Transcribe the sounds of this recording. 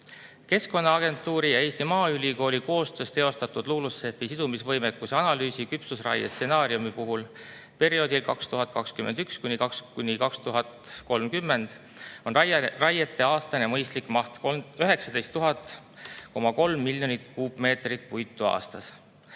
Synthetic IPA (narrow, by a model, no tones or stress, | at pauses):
ke̞sko̞nːɑɑɡ̥e̞nt̪ːˑuːɾijɑe̞ːst̪imɑːylʲiko̞ːlʲiko̞ːst̪ø̞ːst̪eo̞st̪ɑt̪ˑud̪̥luːlusːe̞fisid̪̥umisvɤ̞jmekːˑuseɑnɑlyːsikypsusrɑ̰jḛstːe̞nɑːɾiumipuɦul | pe̞ɾio̞ːd̪ilkɑkst̪uɦɑt̪̚ˑkɑkskymend̪̥ykskunʲikɑkskunʲikɑkst̪uɦɑt̪ko̞lmkymːe̞nd̪̥ | o̞nrɑjet̪ːˑe̞ɑːst̪ɑnemɤjst̪likˑmɑht̪koøɦe̞ksɑd̪e̞jst̪ːuɦɑt̪ˑ | ko̞mɑko̞lmːilʲjo̞nit̪kuːbme̞ːt̪rit̪̚ˑpujt̪ːˑuɑ̰ːst̪ɑs